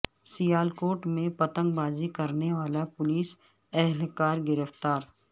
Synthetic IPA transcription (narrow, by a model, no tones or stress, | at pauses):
sijaːlkoːʈmẽpɐt̪ə̃ŋɡbaːzikɐɾneʋaːlapʊliːs | ɛɦlkaːɾɡɪɾəft̪aːɾ